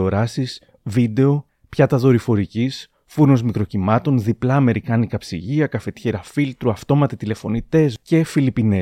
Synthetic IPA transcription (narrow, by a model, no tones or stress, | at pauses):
oɾɐsis | vid̪e̞o̞ | pçɐt̪ɐðo̞ɾifo̞ɾicis | fuɾno̞zmikɾo̞cimɐt̪o̞nðiplɐːme̞ɾikɐnikɐpsḭʝiɐkɐfe̞t̪çeɾɐfilt̪ɾuɐft̪o̞mɐt̪it̪ile̞fo̞nit̪e̞sce̞filipine